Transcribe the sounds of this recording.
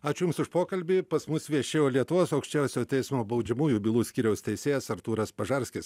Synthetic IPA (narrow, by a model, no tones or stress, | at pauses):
ɑːt͡ʃʲʊjʊmsʊʃpoːkɐlʲbʲipɐsmʊsʋʲiɛʃʲeːjoːlʲiɛt̪ʊʋoːsɐʊkʃʲt͡ʃʲɛʊsʲoːt̪ʲɛɪsmoːbɐʊd͡ʒʲɛmuːjuːbʲilˠuːsʲkʲiːɾʲɛʊsʲt̪ʲɛɪsʲeːjɛsɐɾt̪uːɾɐspɐʒɐɾʲsʲkʲɪs